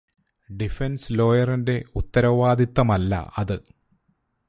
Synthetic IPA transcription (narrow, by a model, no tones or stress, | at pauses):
ɖifenslo̞ːjɐrinde̞ut̪ːɐɾɐʋaːd̪it̪ːɐmɐlːɐ̰ɐðɨ